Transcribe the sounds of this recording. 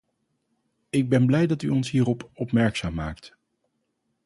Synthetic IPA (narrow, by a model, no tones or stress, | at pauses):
ɪɡ̚bɛnblɛjdɑtyɔnsɦiːrɔpɔpmɛɹksaːmːaːkt